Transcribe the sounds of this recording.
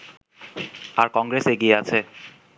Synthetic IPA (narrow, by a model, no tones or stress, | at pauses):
aɾkɔŋɡɾeseɡieat͡ɕʰe